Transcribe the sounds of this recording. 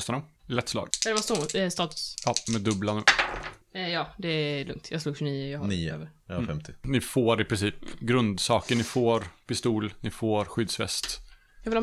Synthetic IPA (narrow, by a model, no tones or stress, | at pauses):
st̪anɔmlɛt̪ːslɑ̰ːɡɛd̪ɛvast̪ust̪ɑːt̪ɵ̥sɑːmɛd̪ɵblanʉ̟ː | jɑːd̪ɛælɵŋkt̪ʰjɑɡsluːɡʃʏniːəjɑːhniːøːvəɾ | fɛmt̪ʰɪnɪfoːɾɪpɾɪnsiːpɡɾɵnd̪sɑːkəɳɪfoːɾpɪst̪uːlnɪfoːɾɧʏd̪sfɛ̰st̪ | jɑːvɪl